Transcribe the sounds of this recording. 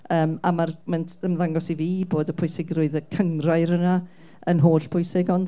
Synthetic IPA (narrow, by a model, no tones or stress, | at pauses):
əːmamarmɛntʰəmðaŋɡɔsiviːboːdəpʰʊjsɪɡrʊɨðəkʰəŋraɨɾəna | ənɦoːɬpʰʊjsɪɡɔnd